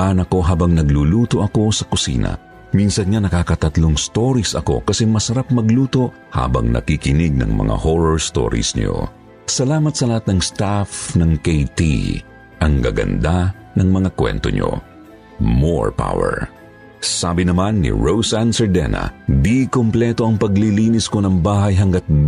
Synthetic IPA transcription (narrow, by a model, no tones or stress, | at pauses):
ʔanɐko̞ɦaːbɐŋnɐɡluːluːt̪oʔɐko̞sɐkʊsḭːnɐ̰ | minsɐnŋanɐkaːkɐt̪ɐt̪loŋst̪oɾisɐko̞̰kɐsɛmɐsɐɾap̚mɐɡluːt̪o̞ʔ | ha̰ːbɐ̰ŋnɐ̰kikɪnɪɡ̚nɐ̰ŋmɐ̰ŋa̰hoɹoɹst̪o̰ɾḭsɲo̰ | sɐlaːmɐt̪sɐlɐhat̪̚nɐŋst̪afnɐŋkejt̪ḭ | ʔɐŋɡɐɡɐ̰nd̪a | nɐŋmɐŋakwɛ̰nt̪o̞̰ɲo̰ | mo̰ɹpa̰wɛ̰ɹ | saːbɪnɐmanːḭɹowsansɛɹd̪ɛ̰nɐ̰d̪ikomplɛt̪o̞ɐŋpɐɡliliːnɪsko̞nɐŋbaːɦɐjɦɐŋɡɐt̪̚